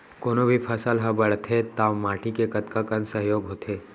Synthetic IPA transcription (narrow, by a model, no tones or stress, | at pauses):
koːnobʱipʰɐsəlɦɐ̃bɐɽ̤t̪ʰet̪aːmaːʈikekɐt̪kakɐ̃nsɐɦjoːɡɦoːt̪ʰeː